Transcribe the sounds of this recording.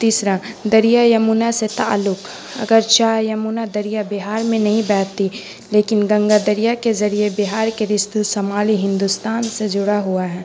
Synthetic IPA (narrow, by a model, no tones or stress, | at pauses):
t̪iːsɾad̪ɐɾijajɐmuːnaset̪a̰ːlːʊk | ɐ̰ɡəɾt͡ʃaːjɐmuːnad̪ɐɾijabɪɦaːɾmẽnɐɦĩbɛːt̪i | leːkɪnɡɐ̃ŋɡad̪ɐɾijakezɐɾiebɪɦaːɾkeɾɪst̪sɐmaːliɦɪ̃nd̪ʊst̪aːnsed͡ʒʊɽaɦuaɦɛː